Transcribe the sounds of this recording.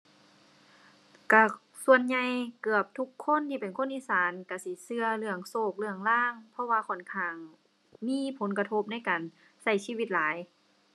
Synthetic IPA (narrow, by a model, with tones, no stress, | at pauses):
ka˧˩ | su˧ənɲa˧˩jkɯ˧˩əp̚t̪ʰu˧˥kʰːo˧˥˨nt̪ʰiː˧˩pe˨nkʰo˧˥˨nʔiː˧˥˨saː˨˦nka˧˩si˧˦sɯ˧ɐlɯ˧˩əŋsoː˧˩k̚lɯ˧əŋlaː˧˥˩ŋpʰɔ˧waː˧kʰɔ˧˩nkʰaː˧˩ŋ | miː˧˥˨pʰo˨˦nka˧t̪ʰo˧˥p̚na˥˨jkaː˨˩n | sa˧˩jsiː˧˥˨wi˧t̪̚laː˨˦j